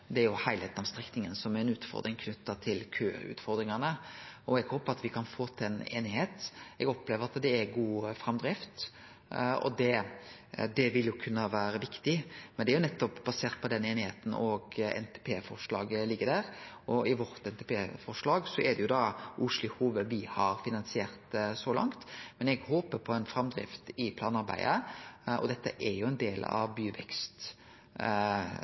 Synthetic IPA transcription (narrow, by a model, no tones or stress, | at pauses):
d̪ɛæɾjʊhæɪlheːt̪nɑmst̪ʁɛknɪŋənsɔmæɛnʉːt̪fɔ̰ɾd̪ɾɪŋkʰnʉt̪ːɑt̪ʰɪlkʰø̰ːɾʉ̰ːt̪fɔɾd̪ɾɪŋɑnəɔɛɡhoːpəɑt̪ʋɪkʰɑnfoːt̪ʰɛnḛːnɪheːt̪ɛɡɔpleːʋəɾɑt̪d̪ɛæɾɡuːfɾɑmd̪ɾɪft̪ | ɔ̰d̪ɛ | d̪ɛʋɪljʊkʰʉnːəʋæːɾəʋɪkt̪ɪmɛnɛæɾjʊnɛt̪ːɔpbɑseːʁt̪̚pʰɔd̪ɛnːeːnɪheːt̪n̩ɔɡɛ̰nt̪ʰe̥pʰeːfɔʁʂlɑ̰ːɡlɪɡːəɾd̪æɾʔɔɪʋɔɾt̪ɛnt̪epʰeːfɔʂlɑːɡsɔʔɛd̪ɛjʊd̪ɑʔʊʂlɪhuːʋəʋɪhɑɾfɪnɑnsɪeːɾt̪sɔlɑ̰ŋt̪mɛnɛɡhoːpəɾpʰɔɛnfɾɑmd̪ɾɪ̰ft̪ɪpʰlɑːnɑɾbæ̰ɪd̪ə̰ʔɔ̰d̪ɛt̪ːə̰ʔɛɾjʊɛnd̪eːlɑ̰ʋbyːʋɛkst̪